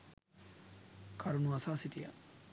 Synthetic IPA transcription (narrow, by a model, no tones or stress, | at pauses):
kʰɐɾunuɐsaːsiʈija̰